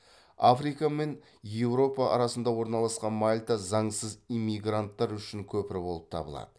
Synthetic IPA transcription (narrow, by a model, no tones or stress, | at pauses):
afrijkame̞n | je̞wɾo̞pɑʔɑ̰ɾɑsənd̪ɑwo̞ɾnɑlˠɑsqɑnmalʲt̪azɑɴsəzijmːijɡrant̪ːɑɾʏʃɪŋkʲʰɵpɪɾɪbo̞lˠəp̚t̪ʰɑ̰bə̰lˠɑ̰d̪̥ə